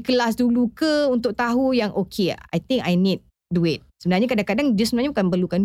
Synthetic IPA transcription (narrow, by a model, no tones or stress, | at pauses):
kəlas̬dulukəunt̪ʊk̚t̪aɦujaŋʔokʰḛa̰jt̪ɪ̃ŋkajnit̚ | duɪt̚səbənarɲakadaŋkadaŋdiəsəbənarɲaukanpərlukan